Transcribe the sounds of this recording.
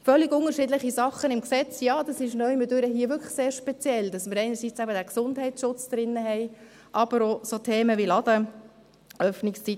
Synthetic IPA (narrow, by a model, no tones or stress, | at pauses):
fœlːiɡʊnəʃɪːdləχisɑχənɪmksɛt͡sjɑːd̥̪ɑsɪʃnœʏmədøɾəɦiːəʋʏɾkʰə̥seːɾʃpɛt͡sjɛld̥̪ɑsməɾɛɪnəɾsit͡sæbədæksʊndɦɛɪt͡sʃʊt͡sd̥̪ɾɪnːəɦɛɪ | ʔɑb̥əɾosotʰeːməʋilɑd̪ə | œfnɪkst͡sit